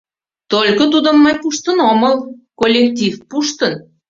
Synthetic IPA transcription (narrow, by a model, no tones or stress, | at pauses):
t̪olʲkot̪̬ud̪ə̆mːɑjpuʃt̪ənoməlkolʲːekt̪ʲifpuʃt̪ən